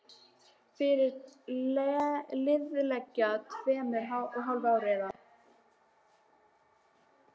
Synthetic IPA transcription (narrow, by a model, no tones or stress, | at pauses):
fɪɾɪɾ | lɪðlɛcːat̪vɛːmɛɾɦawɔɣɦawlvawɾɛːða